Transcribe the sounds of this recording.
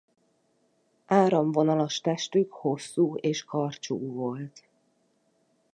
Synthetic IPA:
aːɾomvo̞nɒlɒʃt̪ɛʃt̪ykho̞sːuːeːʃkɒrt͡ʃṵːvo̞lt̪

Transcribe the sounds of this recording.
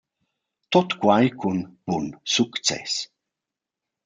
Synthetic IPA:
t̪ɔt̪kwajkʰunb̥unsukt͡sɛ̰s

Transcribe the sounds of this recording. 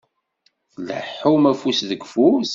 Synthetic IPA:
θlə̰ħːumæfusðəɡfus

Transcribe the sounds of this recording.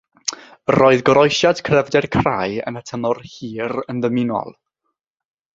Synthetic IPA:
roːɨðɡɔɾɔjʃad̥kʰrɛvdɛrkʰrajə̰nətʰəmɔrhiːrənðəmɪnɔ̰lˠ

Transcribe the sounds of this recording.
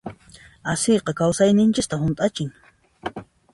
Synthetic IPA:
asɪjqɑkawsajnɪnt͡ʃɪst̪ahʊnt̪ʼat͡ʃɪŋ

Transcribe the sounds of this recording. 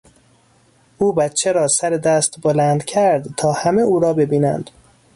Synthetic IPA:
ʔuːbæt̪t͡ʃʰeɾɒːsæɾe̞d̪æːst̪bolænd̪cʰæɾd̪t̪ʰɒːhæmeuːɾɒːbe̞biːnæ̰nd̪̥

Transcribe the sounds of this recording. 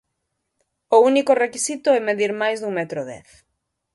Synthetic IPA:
ʊunikʊrekisit̪ʊɛmeðiɾmajzðuŋmɛt̪ɾʊðɛ̰θ

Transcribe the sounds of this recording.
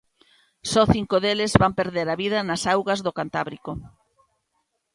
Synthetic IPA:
sɔθiŋkoðelɪzβampeɾðeɾɐβiðɐnɐsawɣɐzðokant̪aβɾiko

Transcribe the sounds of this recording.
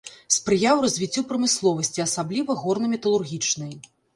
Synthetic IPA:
spɾɨjawrɐzʲvʲit͡sʲːupɾɐmɨslˠɔvɐsʲt͡sʲiɐsablʲivɐɣɔrnɐmʲɛt̪ɐlˠurɣʲit͡ʂnɐj

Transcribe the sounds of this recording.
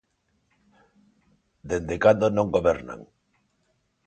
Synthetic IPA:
d̪end̪ekand̪onõŋɡoβeɾna̰ŋ

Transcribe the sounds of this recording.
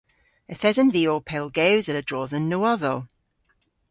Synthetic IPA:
əθɛzənviːoːpʰɛlˠɡɛwzələdɹɔːðənːoːɔðə

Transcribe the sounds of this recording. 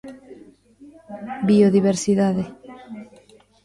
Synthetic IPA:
bioðiβ̞eɾsiðaðe

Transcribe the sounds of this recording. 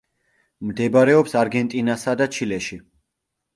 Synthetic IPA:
md̪ɛbaɾɛɔpsaɾɡɛnt̪ʼinasad̪at͡ʃʰilɛʃi

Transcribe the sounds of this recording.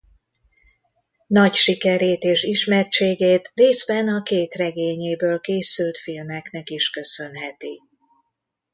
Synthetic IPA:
nɒcʃikɛɾeːt̪eːʃiʃmɛrt͡ʃeːɡeːt̪reːzbɛnɒkeːt̪rɛɡeːɲeːbøːlkeːsylt̪filmɛkn̪ɛkiʃkø̞sø̞nɦɛt̪i

